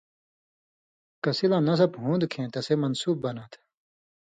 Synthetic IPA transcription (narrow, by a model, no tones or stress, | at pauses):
kɐsilãːnɐs̬ɐbɦũːnd̪kʰẽːt̪ɐsemɐnsuːbːɐnɐt̪ʰ